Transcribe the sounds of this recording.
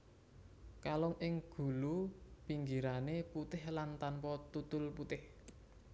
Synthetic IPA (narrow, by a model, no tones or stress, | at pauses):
kalɔŋʔɪŋɡ̥ṳlupiŋɡiɾaneput̪ɪhlant̪anpɔt̪ut̪ʊlput̪ɪh